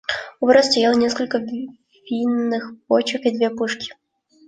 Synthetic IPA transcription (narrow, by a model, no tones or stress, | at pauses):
ubɾɐsʲt̪ɐjalˠənʲɛskəlʲkə | vʲinːɨxpot͡ɕəkid̪vʲeɛpuʂkʲɪ̥